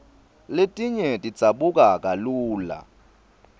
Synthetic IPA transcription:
letʼiɲɛtʼi̥t͡saɓukʼak̬ʼaluːla̰

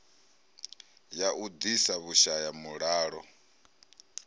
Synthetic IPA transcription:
jaʔud̪isaβuʃajamuɺaːɺɔ

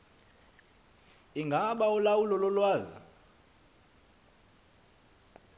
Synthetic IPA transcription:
iŋɡʱaɓaɔlawulɔlɔlwaːzḭ

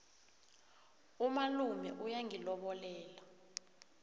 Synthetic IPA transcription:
umalumɛʔujaŋilɔɓɔlɛːla

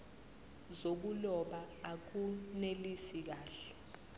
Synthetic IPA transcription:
zok̬ulɔɓaak̬unelisik̬aːɬɛ̥

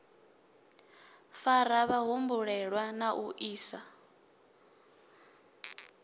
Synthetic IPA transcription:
faɾaβaɦumbuɺɛɺwanaʔuʔiːsa

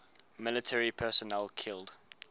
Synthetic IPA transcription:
mɪlɪtʰɛɹipʰɛˑsɔnɛlkʰɪld̥

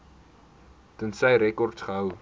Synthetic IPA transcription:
tənsəjɾɛkɔrtsχəɦəw

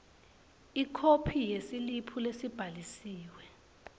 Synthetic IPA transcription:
ikʰopʰijesilipʰulesib̥ʱalisiːwɛ

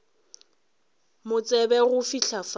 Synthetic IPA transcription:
mʊt͡sʼɛbɛɣʊfiɬʰaf

